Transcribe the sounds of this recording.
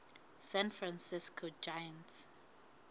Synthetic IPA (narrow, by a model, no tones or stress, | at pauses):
sɛ̃nfɹãnsiskʰod͡ʒajãnt